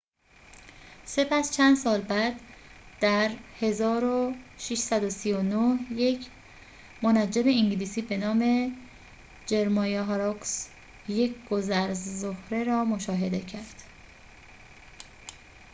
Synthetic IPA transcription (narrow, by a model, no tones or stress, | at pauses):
se̞pʰæst͡ʃʰænd̪sɒːlbæd̪d̪̥æɾhe̞zɒːɾoʃiʃsæd̪o̞sijonohje̞cʰ | monæd͡ʒːeme̞iŋɟiliːsiːbe̞nɒːme̞ | d͡ʒe̞ɾmɒːjeɦɾoks | je̞cʰɡ̥o̞zæɾzzohɾe̞ɾɒːmoʃɒːɦe̞d̪e̞cʰæɾd̪̥